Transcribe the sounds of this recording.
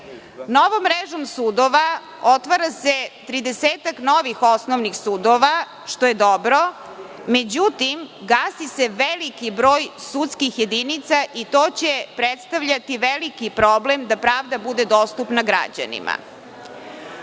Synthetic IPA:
noʋomːɾeʒomsuːd̪oʋa | ot̪ʋaɾaset̪ɾid̪eseːt̪akno̞ʋixosnoʋnixsuːd̪oʋa | ʃt̪o̞jed̪obɾo̞ | me̞d͡ʑut̪imɡaːsiseʋelikibɾoːjsut̪skixje̞d̪init̪saʔit̪oːt͡ɕepɾet̪st̪aʋʎat̪iʋelikipɾoblemd̪apɾaːʋd̪abud̪ed̪ost̪upnaɡɾa̰d͡ʑa̰nḭma̰

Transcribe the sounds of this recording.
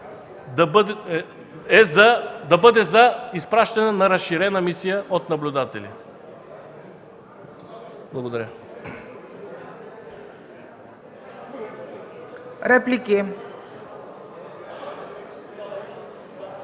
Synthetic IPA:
d̪ɐbd̪ | ɛzɐd̪ɐbɤd̪ɛzɐispɾaʃt̪ɐnɛnɐɾɐsʃiɾɛnɐmisijəʔot̪nɐblʲʊd̪at̪ɛlḭ | blˠɐɡod̪ɐɾʲjə | ɾɛpliki

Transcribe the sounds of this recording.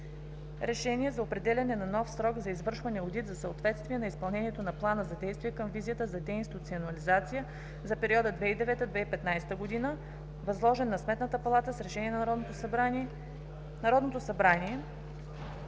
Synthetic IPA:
ɾɛʃɛniɛzɐopɾɛd̪ɛlʲɐnɛnɐnɔfsɾɔɡzɐizvɤɾʃvɐnɛod̪it̪zɐsəot̪vɛt̪st̪viɛnɐispɐlˠnɛniɛt̪onɐplˠanəzɐd̪ɛjst̪vijɛkɤmvizijət̪əzɐd̪ɛinsit̪ut̪sionɐlizat̪sijə | zɐpɛɾiɔd̪əd̪vɛid̪ɛvɛt̪əd̪vɛipɛt̪najsɛt̪əɡod̪inə | vɐzlˠɔʒɛnːɐsmɛt̪nət̪əpɐlˠat̪əsɾɛʃɛniɛn | nɐɾɔd̪not̪osɐbɾaniɛ

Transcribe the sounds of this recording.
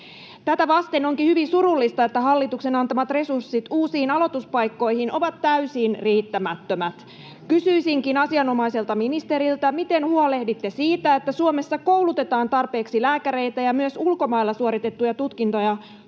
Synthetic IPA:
t̪æt̪æʋɑst̪enoŋkihyʋinsuɾulːist̪ɑet̪ːæhɑlːit̪ukse̞nɑnt̪ɑmɑt̪re̞sursːit̪uːsiːnɑlot̪uspɑjkːo̞jhinʔo̞̰ʋɑt̪ːæysinriːt̪ːæmæt̪ːømæt̪ | kysyisiŋkinɑsiɑno̞mɑise̞lt̪ɑminist̪e̞ɾilt̪ɑmit̪enhuole̞hdit̪ːesiːt̪æet̪ːæsuome̞sːɑko̞wlut̪e̞t̪ɑːnt̪ɑrpe̞ːksilæːkæɾe̞jt̪æjɑmyøsulko̞mɑjlːɑsuoɾit̪e̞t̪ːujɑt̪ut̪kint̪ojɑ

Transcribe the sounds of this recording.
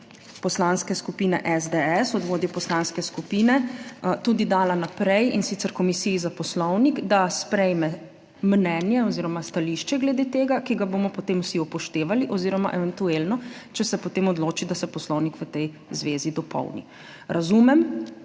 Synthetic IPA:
pɔslanskɛskupiːnɛ̰ʔɛzd̪eɛsɔd̪ʋoːd̪jɛpɔslanskɛskupiːnɛt̪ud̪id̪aːlanapɾɛjinsit̪sɛɾkɔmisiizapɔslɔwnikd̪aspɾɛjmɛ | mnɛːnjɛɔziːɾɔmast̪aliʃt͡ʃɛɡlɛd̪eːt̪eːɡakiɡabomɔpɔt̪eːmwsiɔpɔʃt̪eːʋaliʔɔziːɾɔma̰ʔɛʋɛnt̪ueːlnɔt͡ʃɛsɛpɔt̪emɔd̪loːt͡ʃid̪asɛpɔslɔwnikʋət̪ɛj | zʋeːzid̪ɔpɔ̰wnḭ | ɾʔazumɛm

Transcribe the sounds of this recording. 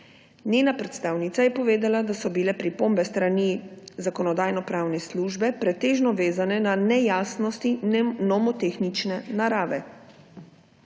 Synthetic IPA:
nʲjeːnapɾɛt̪st̪aːwnit̪sajɛpɔʋeːd̪alad̪asɔbilɛpɾipombɛst̪ɾanizakɔnɔd̪aːjnɔpɾaːwnɛsluʒbɛpɾɛt̪eːʒnɔʋeːzanɛnanɛjaːsnɔst̪inɔmɔt̪exnit͡ʃnɛnaɾaːʋɛ

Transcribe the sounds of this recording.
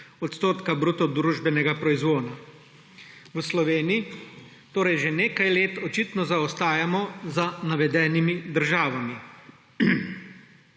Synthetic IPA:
ɔt̪st̪oːt̪kabɾut̪ɔd̪ɾuːʒbɛnɛɡapɾɔizʋoːna | wəslɔʋeːniji | t̪oːɾɛjʒeneːkajleːt̪ɔt͡ʃit̪nɔzaɔst̪aːjamɔzanaʋɛd̪ɛːnimid̪əɾʒaːʋami

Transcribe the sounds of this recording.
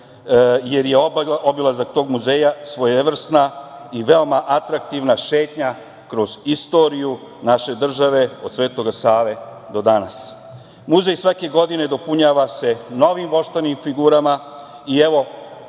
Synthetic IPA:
je̞ɾjeobilazak̚t̪o̞ːɡmuzeːjasʋojeʋr̩snaiʋe̞o̞maʔat̪ɾak̚t̪iʋnaʃe̞ːt̪ɲa | kɾo̞z̥ist̪o̞ɾiju | naʃe̞d̪r̩ʒaʋe̞o̞d̪sʋe̞ːt̪o̞ɡasaːʋe̞d̪o̞d̪anas | muze̞jsʋake̞ɡo̞d̪ine̞d̪o̞puɲaːʋase̞no̞ʋimʋo̞ʃt̪animfiɡuːɾama | ieʋo̞

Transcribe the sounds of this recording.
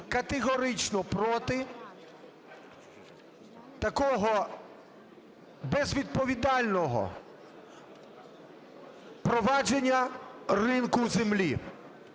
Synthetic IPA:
kɐt̪eɦɔɾɪt͡ʃnɔpɾɔt̪ɪ | t̪ɐkɔɦɔ | bɛzʋʲid̪̚pɔʋʲid̪ɑlʲnɔɦɔ̰ | pɾɔʋɑd͡ʒenʲːɐrɪnkʊzemlʲi

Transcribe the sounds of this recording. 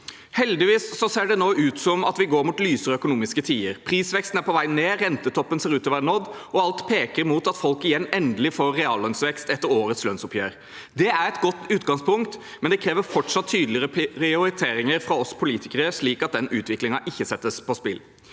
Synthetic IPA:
hɛld̪ɪʋiːssɔseːɖɛnoːʉːt̪sɔmɑ̰t̪ʋɪɡoːɾmuːt̪lyːsəɾɔœkʊnuːmɪskət̪ʰiːəɾpʰɾiːsʋɛkst̪n̩æɾpɔʋæɪneːɾɛnt̪ət̪ʰɔpːənseːɾʉːt̪ɔʋæɳɔd̪ːɔɑlt̪pʰeːkəɾmuːt̪ɑt̪fɔlkɪjɛnːɛnd̪əlɪfoːɾːɛɑːlœnsʋɛkst̪ɛt̪ːəɾoːɾət̪slœnsʊpʰjøːɾ | d̪ɛæɾɛt̪ɡɔt̪ːʉːt̪ɡɑŋspʰʊŋkt̪ | mɛnd̪ɛkʰɾeːʋəɾfɔʈʂɑt̪ʰːyːd̪lɪɾəɾɪʊɾɪt̪ʰeːɾɪŋəɾfɾɑɔspʰʊliːt̪ʰɪkəɾəʂliːkɑt̪̚d̪ɛnʉːt̪ʰʋɪklɪŋɑʔɪçːəsɛt̪ːəspʰɔspɪl

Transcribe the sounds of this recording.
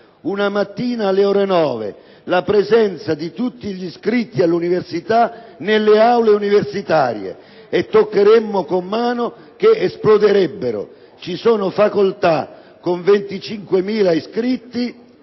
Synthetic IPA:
unamat̪ːiːnaːlːeɔːɾenɔːvḛ | lapɾɛzɛnt̪sad̪it̪ut̪ːiʎiskɾit̪ːialːuniversit̪anelːeawleuniversit̪aːɾjḛ | ɛt̪ːokːeɾemːʊkomːaːnʊ | k̟eɛsplɔd̪ɪɾɛbːeɾʊ̰ | t͡ʃisɔːnʊfakolt̪a | kːoɱvɛnt̪it͡ʃiŋkwemiːlaiskɾit̪ːi

